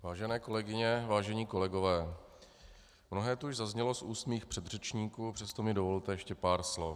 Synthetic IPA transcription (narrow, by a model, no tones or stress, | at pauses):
vaːʒɛnɛːko̞lɛɡɪɲɛvaːʒɛɲiːko̞lɛɡo̞vɛː | mnoɦɛːt̪uuʒzazɲɛlosʔuːst̪miːxpr̝̥ɛd̪r̝ɛt͡ʃɲiːkuːpr̥ɛst̪omɪdovo̞lt̪ɛjɛʃcɛpaːɾslof